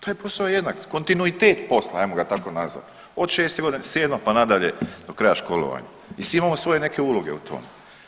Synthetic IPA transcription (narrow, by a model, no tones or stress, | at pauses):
t̪aːjpo̞saoejed̪nakko̞nt̪inuit̪e̞ːt̪po̞sla̰ajmoɡat̪ako̞nazʋa̰t̪ | o̞d̪ʃeːst̪eɡo̞d̪ineseːd̪mapanad̪aʎed̪o̞kɾajaʃko̞lˠo̰ʋa̰ɲa̰ | isʋiimaːmosʋo̞je̞ne̞ke̞ulˠoɡe̞̰ut̪ʰo̞̰me